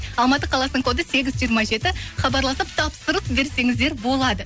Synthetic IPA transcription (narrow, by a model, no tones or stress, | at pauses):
ɑlˠmɑt̪əqʰɑlˠɑsənəɴk̪ʰod̪əse̞ɡʲɪzʒijəɾmɑʒe̞t̪ɪχɑbɑɾlˠɑsəp̚t̪ʰɑpsəɾəpbe̞ɾse̞ŋɪzd̪e̞ɾbo̞lˠɑd̪ə